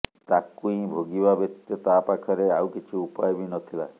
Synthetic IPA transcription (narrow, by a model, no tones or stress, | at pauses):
t̪akuĩbʱoɡibabekt̪jɔt̪apakʰɔɾeawkit͡ʃʰiupajɔbinɔt̪ʰila̰